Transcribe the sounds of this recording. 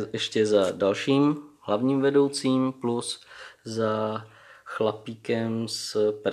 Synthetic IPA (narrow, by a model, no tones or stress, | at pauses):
jɛʃcɛzadalʃiːmɦlavɲiːmvɛdo̞wt͡siːmplusza | xlapiːkɛmsp